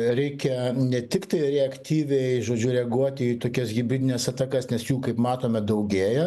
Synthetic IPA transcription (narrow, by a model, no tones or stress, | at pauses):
ɾʲɛɪkʲɛnʲɛt̪ʲɪkt̪ɐɪɾʲɛɐkt̪ʲiːʋʲɛɪʒoːd͡ʒʲʊɾʲɛɡuɔt̪ʲɪit̪oːkʲɛsɡʲɪbʲɾʲɪd̪ʲɪnʲɛsɑt̪ɐkɐsnʲɛsjuːkɐɪpmɑːt̪oːmʲɛd̪ɐʊɡʲeːjɛ